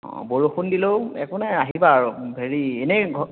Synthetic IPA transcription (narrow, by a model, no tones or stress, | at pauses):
boɹuxundiloɛ̰kɔnaaɦibaɹubʱeɹieneɡʱɔ